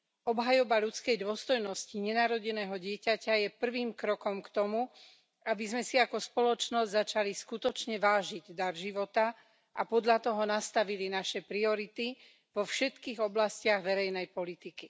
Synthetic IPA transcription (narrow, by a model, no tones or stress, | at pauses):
ɔbɦajɔbaʎut͡skɛjd̪ʊɔst̪ɔjnɔsciɲɛnaːɾɔɟɛnɛːɦɔɟɪɛcacajɛpr̩ʋiːmkɾɔkɔmkt̪ɔmu | abizmɛsiakɔspɔlɔt͡ʃnɔzɟzat͡ʃaliskut̪ɔt͡ʃɲɛʋaːʒiɟd̪aɾʒiʋɔt̪a | ʔapɔd̪ʎat̪ɔɦɔnast̪aʋilinaʃɛpɾiɔɾit̪i | ʋɔfʃɛt̪kiːɣɔblascɪaɣʋɛɾɛjnɛjpɔlit̪iki